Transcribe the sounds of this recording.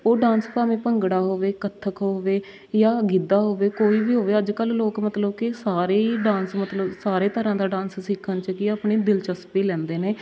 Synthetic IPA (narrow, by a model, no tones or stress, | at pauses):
oːɖãːnspaːmĩːpəŋɡɽaːɦoːʋeːkət̪ʰːəkɦoːʋeː | jaːɡid̪aːɦoːʋeːkoːiːbiːɦoːʋeːəd͡ʒkəlːoːkmət̪ləbkɪsaːɾeːiɖãːnsmət̪ləbsaːɾeːt̪əɾãːd̪aːɖãːnssɪkʰənt͡ʃəkɪaːpɳeːd̪ɪlt͡ʃəspiːlɛ̃ːnd̪eːneː